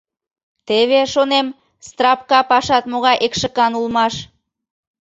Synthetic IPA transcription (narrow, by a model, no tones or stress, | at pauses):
t̪eβeʃonem | st̪rɑpkɑpɑʃɑt̪moɣɑjʔekʃə̆kɑnulmɑʃ